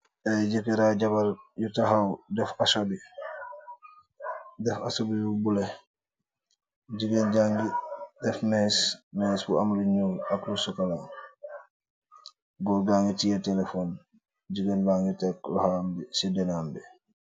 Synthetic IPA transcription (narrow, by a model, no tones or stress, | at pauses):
ʔajɟikiɾaɟabaljutaɦawdɛfasobi | dɛfa̰sobibubule | ɟiɡenɟaŋɡidɛfnɛsmɛsbṵa̰mluɲuːlaklusukalaŋ | ɡɔɡaŋɡitijetɛlefɔːn | ɟiɡenlaŋutɛklɔ̰hambisidɛnambɛ